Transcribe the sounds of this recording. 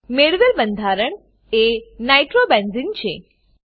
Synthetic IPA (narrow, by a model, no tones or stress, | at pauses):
meɽʋelbənd̪ʱaɾəɳ | enaiʈɾobɛ̃nzint͡ʃʰe